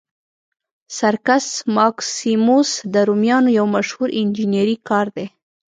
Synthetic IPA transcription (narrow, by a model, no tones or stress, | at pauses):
saɾkasmɑksimosd̪əɾumjɑnojawmaʃhuɾɪnd͡ʒineɾikɑɾd̪e